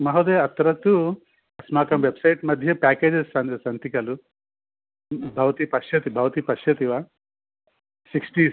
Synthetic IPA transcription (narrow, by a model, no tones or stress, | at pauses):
mɐɦod̪eːɐt̪ɐɾɐt̪u | ɐsmaːkɐmʋebsɐjʈmɐd̪ʱjɐpaːkeːd͡ʒessɐnsɐnt̪ikɐlu | bʱɐʋɐt̪ipɐʃjɐt̪ibʱɐʋɐt̪ipɐʃjɐt̪iʋaː | siksʈi